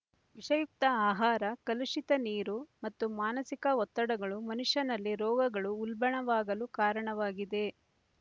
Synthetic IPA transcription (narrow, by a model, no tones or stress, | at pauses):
ʋiʂɐjuk̚t̪ɐaːɦaːɾɐkɐluʂit̪ɐniːɾumɐt̪ːumaːnɐsikɐɔt̪ːɐɽɐɡɐɭumɐnuʂɐnɐlːiɾɔːɡɐɡɐɭuːlbɐɳɐʋaːɡɐlukaːɾɐɳɐʋaːɡid̪e̞